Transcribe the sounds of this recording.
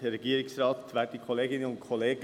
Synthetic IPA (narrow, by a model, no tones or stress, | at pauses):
ɾɛɡ̥iːəɾɪksrɑːt̪ʋæːtikʰoleːɡɪnənʊnkʰɔleːɡ